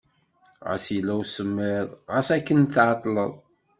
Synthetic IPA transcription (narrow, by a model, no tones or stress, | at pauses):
ʁə̰silːæwsəmːeðˤʁəsækːənt̪ʕɑt̪ˤːləðˤ